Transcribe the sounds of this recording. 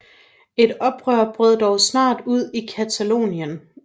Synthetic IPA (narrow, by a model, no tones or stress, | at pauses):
e̝d̥ɒ̽b̥ʁœɐ̰b̥ʁœð̞ˠd̥ɒʊsnɑ̰̈ːd̥uð̞̰ˠikʰæt͡sʰælo̝̰ːnjən